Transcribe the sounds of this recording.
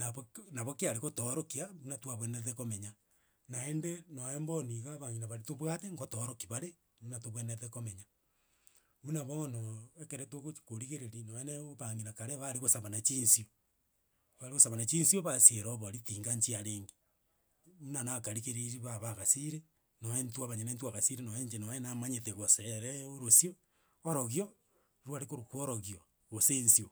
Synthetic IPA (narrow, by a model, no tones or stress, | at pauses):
naβnaβokeaɾeɣotoɾokiamunatwaβweneðekomeɲa | naendenoemboniɣaβaŋinaβaɾetoβwateŋɡotoɾokiβaɾe | βunatoβweneðekomeɲa | βunaβɔnoekeɾetoɣot͡ʃkoɾiɣeɾeɾinoeneoβaŋinakaɾeβaɾeɣosaβanat͡ʃiːnsio | βaɾeɣosaβanat͡ʃinsioβasieɾɔβoɾitiːŋɡaɲt͡ʃiaɾeːŋɡe̥ | unanakaɾiɣeɾeɾiβaβaɣasiɾe | noentwaβaɲenentwaɣasiɾenoeɲd͡ʒenoenamaɲeteɣoseɾɛoɾosioː | ɾoɣjo | ɾwaɾekoɾokwoɾoɣio | ɣosensio